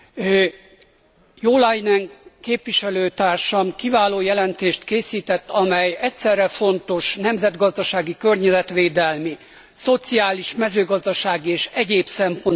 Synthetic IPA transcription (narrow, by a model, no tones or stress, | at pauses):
joːlajnɛŋkeːpʋiʃɛløːt̪aːrʃɒmkivaːloːjɛlɛnt̪eːʃt̪keːsiːt̪ɛt̪ːɒmɛjɛcʲsɛrːɛfo̞nt̪o̞ʃnɛmzɛd̪ɡɒzd̪ɒʃaːɡikø̞rɲɛzɛt̪ʋeːd̪ɛlmi | so̞t̪sijaːliʃmɛzøːɡɒzd̪ɒʃaːɡieːʃɛɟeːpsɛmpo̞n